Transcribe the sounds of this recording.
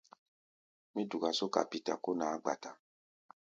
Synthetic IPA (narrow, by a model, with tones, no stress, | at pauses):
mĩ˦du˨ka˨so˦ka̰˨pi˨ta˨ko˦nãː˨˦ɡ͡ba˨ta˨